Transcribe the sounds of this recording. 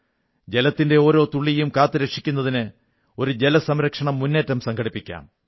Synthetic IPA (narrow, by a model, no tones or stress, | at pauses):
d͡ʑe̞lɐt̪ːinde̞oːɾo̞ːt̪uɭːijumkaːt̪ːɨɾekʂi̥kʲːunːɐðinɨ | o̞ɾud͡ʑe̞lɐsɐmɾɐkʂɐɳɐmːunːe̞ːtːɐmsɐŋɡʰʱɐɽipːikʲːa̰ːm